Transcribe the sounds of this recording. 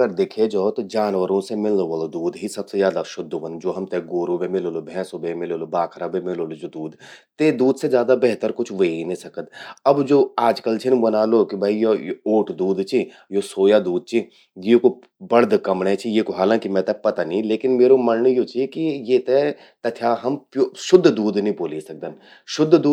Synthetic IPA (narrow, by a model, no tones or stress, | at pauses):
əɾd̪eːkʰed͡ʒoːt̪od͡ʒaːnʋəɾõsemɪloʋəlod̪uːd̪ɦisɐbsed͡ʒjaːd̪aʃʊd̪ʱːəʋə̃nd̪d͡ʒoːɦɐmt̪eɡoːɾubemɪloːlobʱɛ̃ːsobemɪloːlobaːkʰɾabemɪloːlod͡ʒod̪uːd̪t̪eːd̪uːd̪sed͡ʒjaːd̪abɛɦt̪əɾkʊt͡ʃʰʋəiinẽsɐkət̪ɐbd͡ʒoːaːd͡ʒkəlt͡ʃʰɪnbɐnaːlokibʱaijojoːʈʰd̪uːd̪t͡ʃʰi | josoːjad̪uːd̪̚t͡ʃʰi | jeko | bɐɽd̪kɐmɽẽt͡ʃʰijeːkoɦaːlãːkimɛ̃t̪ɛpɐt̪anĩleːkɪnmeːɾomɐɾɳəjot͡ʃʰikijeːt̪ɛ | t̪ɐt̪ʰjaɦɐmpjoʃʊd̪ʱːd̪uːd̪nĩboːlisɐk̚d̪ən | ʃʊd̪ʱːd̪uː